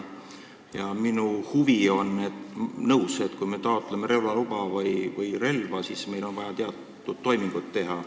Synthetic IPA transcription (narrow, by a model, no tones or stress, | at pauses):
jɑminuhuvio̞nned̪̥nɤwset̪kujme̞t̪ɑot̪ːˑleme̞ɾe̞wlɑlub̥ɑvɯjvɯjre̞lvɑsisme̞jlo̞nvɑjɑt̪eɑt̪ːˑud̪̥ːo̞jmiŋɡ̥ut̪ːe̞ɦɑ